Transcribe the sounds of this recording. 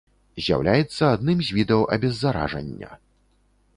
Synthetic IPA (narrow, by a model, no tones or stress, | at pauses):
zʲja̰wlʲʔajɛt̪sːɐad̪nɨmzʲvʲid̪ɐwʔɐ̰bʲɛzːaɾa̰ʐɐ̰nʲːɐ̰